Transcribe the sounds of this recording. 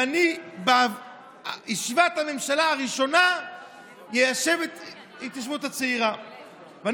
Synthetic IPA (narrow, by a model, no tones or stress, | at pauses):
aniba | jiʃivat̪hame̞mʃalaaʁiʃo̞na | jejaʃe̞vet | it̪jaʃ̬vut̪at͡seiʁa | vea